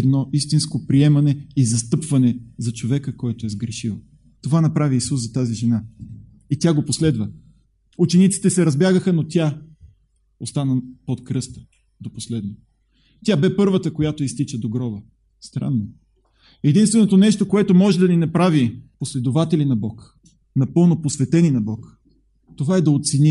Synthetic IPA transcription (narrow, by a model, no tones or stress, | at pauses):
ɛd̪nɔʔist̪inskopɾiɛmɐnɛizɐst̪ɤpvɐnɛzɐt͡ʃovɛkəkɔɛt̪oɛzɡɾɛʃivo | t̪ovanɐpɾaviːsuszɐt̪aziʒɛna | it̪ʲaɡoposlɛd̪və | ut͡ʃɛnit̪si̥t̪ɛsɛɾɐzbjaɡəxənot̪ʲja | ost̪anəpot̪kɾɤst̪ə̥ | d̪oposlɛd̪no | t̪ʲabɛpɤɾvət̪əkojat̪oist̪it͡ʃəd̪oɡɾɔbə | st̪ɾa̰nːo | ɛd̪inst̪vɛnot̪onɛʃt̪okoɛt̪omɔʒɛd̪ɐninɐpɾaviposlɛd̪ovat̪ɛlʲinɐbɔk | nɐpɤlˠnoposvɛt̪ɛninɐbɔk | t̪ovaɛd̪ɐot̪sɛni